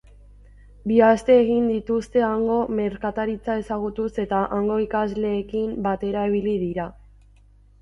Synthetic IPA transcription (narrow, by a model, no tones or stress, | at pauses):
biast̪e̞ːɣind̪it̪ust̪e̞aŋɡo̞me̞ɾkat̪aɾit͡sae̞saɣut̪use̞t̪aʔaŋɡo̞ikazle̞ːkimbat̪e̞ɾaiβ̞iliðiɾa